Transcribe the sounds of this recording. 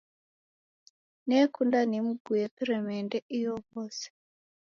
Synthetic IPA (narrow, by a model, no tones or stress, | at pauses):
nekundanemuɡujepiremendeʔijoβoːse̥